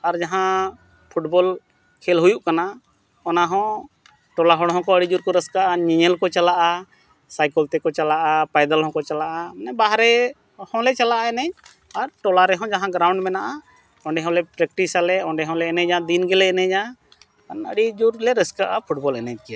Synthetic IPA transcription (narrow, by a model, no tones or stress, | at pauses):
aɾd͡ʒaɦã | pʰuʈbɔl | kʰɛlɦujuʔkana | ɔnaɦɔ̃ | ʈɔlaɦɔɽɦɔ̃kɔəɽid͡ʒuɾkɔɾɛskaʔaɲiɲɛlkɔt͡ʃalaʔa | sajkəlt̪ɛkɔt͡ʃalaʔapajd̪alɦɔ̃kɔt͡ʃalaʔamnɛbaɦaɾɛ | hɔ̃lɛt͡ʃalaʔaɛnɛɲ | aɾʈɔlaɾɛɦɔ̃d͡ʒaɦãɡɾawɳɖmɛnaʔa | ɔ̃ɳɖɛɦɔ̃lɛpɾɛk̚ʈisalɛɔ̃ɳɖɛɦɔ̃lɛɛnɛd͡ʒad̪inɡɛlɛɛnɛd͡ʒa | nəɽid͡ʒuɾlɛɾɛskaʔapʰuʈbɔlɛnɛd͡ʒ̚kija